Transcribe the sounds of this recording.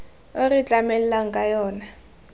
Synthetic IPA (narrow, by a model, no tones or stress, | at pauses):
orit͡ɬʼamɛl̩laŋkʼajɔːna